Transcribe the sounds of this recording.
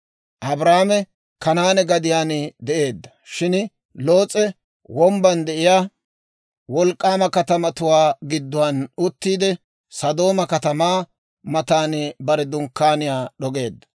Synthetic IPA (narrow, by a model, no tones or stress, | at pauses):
ʔɐbɾaːmɛ | kɐnaːnɛɡɐd̪ɪjaːnɪd̪ɛʔe̞ːd̪ːɐ̥ʃɪn | lo̞ːt͡sʼːɛ | wɔmbɐnd̪ɛʔɪjaː | wɔlkʼːaːmɐkɐt̪ɐmɐt̪ʊwaːɡɪd̪ːʊwɐnʊt̪ːiːd̪ɛ | sɐd̪o̞ːmɐkɐt̪ɐmaː | mɐt̪aːnɪbɐɾɛd̪ʊŋkːaːnɪjaːɗɔɡe̞ːd̪ːɐ̥